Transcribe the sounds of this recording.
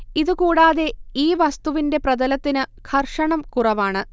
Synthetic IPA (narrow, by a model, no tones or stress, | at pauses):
iðukuːɽaːðe̞iːʋɐst̪uʋinde̞prɐðɐlɐt̪ːinɨkʰɐrʂɐɳɐmkurɐʋaːɳɨ